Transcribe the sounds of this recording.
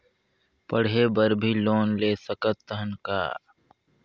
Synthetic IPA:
pəɽ̤eːbəɾbʱiːloːnleːsəkət̪ːəɦənka̰ː

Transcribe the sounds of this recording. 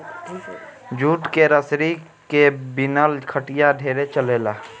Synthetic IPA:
d͡ʒuːʈkeɾəsɾi | kebɪnəlkʰəʈɪjaɖʱeːɾet͡ʃəleːlaː

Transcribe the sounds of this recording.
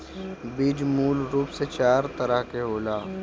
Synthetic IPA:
biːd͡ʒmuːlɾuːpset͡ʃaːɾt̪ɐɾəɦkeɦoːlaː

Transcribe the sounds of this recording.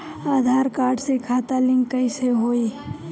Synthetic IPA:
aːd̪ʱaːɾkaːɾɖsekʰaːt̪alɪ̃ŋɡːəiseɦoːiː

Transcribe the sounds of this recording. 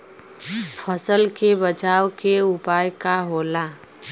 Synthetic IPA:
pʰəsəlkebət͡ʃaːwkeʊpaːjkaɦoːlaː

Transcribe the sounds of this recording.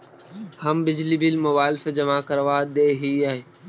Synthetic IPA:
həmbɪd͡ʒlibiːlmʊʋaːlɪfed͡ʒɐmaːkəɾʋaːd̪eːɦiːaːɦeː

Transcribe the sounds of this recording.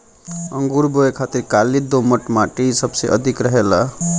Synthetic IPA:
əŋɡuɾboekʰat̪iɾkalid̪oməʈmaʈisəbsḛʔʌd̪ʱikɾəɦela

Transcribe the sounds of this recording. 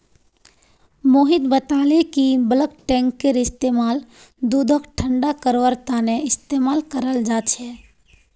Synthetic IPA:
moːɦid̪bət̪alekibələkʈɛ̃ŋkːeɾɪst̪emaːl | d̪ud̪ʱəkʈʰəɳɖakəɾʋəɾt̪aneɪst̪emaːlkəɾəld͡ʒat͡ʃʰɛ

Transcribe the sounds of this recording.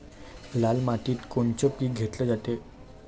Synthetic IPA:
lalmaʈiːt̪koɳt͡ɕəpiːɡʱet̪ləd͡zat̪e

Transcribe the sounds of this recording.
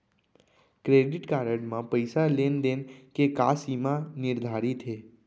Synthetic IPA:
kɾeɖiʈkaɾəɖmãpəjsalend̪enkekasimãniɾd̪ʱaɾit̪ʰe

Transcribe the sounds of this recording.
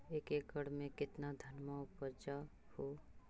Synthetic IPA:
eːkeːk̚ɡəɽ̤mẽkɪt̪nad̪ʱənmaʊpəɾd͡ʒa | hoː

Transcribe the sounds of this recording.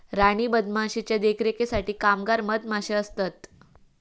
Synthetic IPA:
ɾaɽ̃iːbəd̪maɕit͡ɕjad̪ekʰɾekesaʈiːkamɡaɾməd̪̚maɕeəst̪at̪

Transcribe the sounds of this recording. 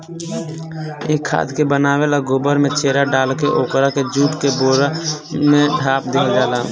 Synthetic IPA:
eːkʰːa̰ːd̪kebənaːwelaɡoːbəɾmẽt͡ʃeːɾaɖaːlkeʔoːkɾaked͡ʒuːʈkeboːɾamẽɖʱaːpd̪eːkd͡ʒaːla

